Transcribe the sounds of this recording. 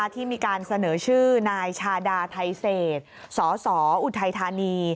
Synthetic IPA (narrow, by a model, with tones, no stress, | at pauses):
t̪ʰiː˥˩miː˧kaː˧nsa˧nɤː˩˦t͡ɕʰɯː˥˩naː˧jt͡ɕʰaː˧daː˧t̪ʰa˧jseː˨˩t̪̚ | sɔː˩˦sɔː˩˦ʔu˨˩t̪ʰa˧jt̪ʰaː˧niː˧